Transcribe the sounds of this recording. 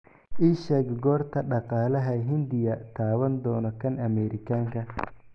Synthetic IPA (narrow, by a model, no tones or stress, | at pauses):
ʔiːʃɛːɡɡɔːrt̪ʰɐɖɑqɑːlɐɦɐɦɪnd̪ɪjɐt̪ʰaːwɐnd̪ɔːnɔkʰɐnʔɐmɛɾɪkʰaːŋkʰɐ